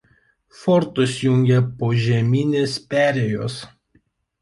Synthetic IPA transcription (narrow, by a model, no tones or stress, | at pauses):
fɔɾt̪ʊsjʊŋʲɡʲɛpoːʒʲɛmʲiːnʲeːspʲæːɾʲejoːs